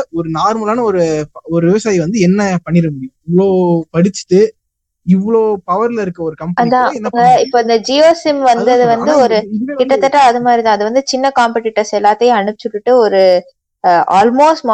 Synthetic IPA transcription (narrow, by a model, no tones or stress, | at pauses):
ɔɾɯnaːɾmɐlaːnɐɔɾɯɔɾɯʋɪʋɐsaːjiʋɐnd̪ɯɛnːɐpɐɳːɪɾɯmbiɪʋːɐɭoːpɐɽɪt͡ʃːɯ̥ʈːɯ | ɪʋːɐɭoːpɐʋɐɾlɪɾɯkːɐɔɾɯkɐmpɐɐd̪ãːɛnːɐɪpːoːɐnd̪ɐd͡ʒijoːsɪmʋɐnd̪ɐɐðɯʋɐnd̪ɯɔɾɯkɪʈːɐt̪ːɐʈːãɐðɯmaːd̪ɾit̪ãːɐðɯʋɐnd̪ɯt͡ʃɪnːɐkaːmpɐʈɪʈːɐsɛlːaːt̪ːɐjɐ̃ɐɳɯpːɪt͡ʃːɯʈːɯʈːɯɔɾɯ | aːlmoːsʈma